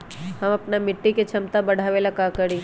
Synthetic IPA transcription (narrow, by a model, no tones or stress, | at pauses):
ɦɐmɐpnamɪʈːiket͡ʃʰɐmt̪abɐɽ̤ʱaːʋelakakɐɾiː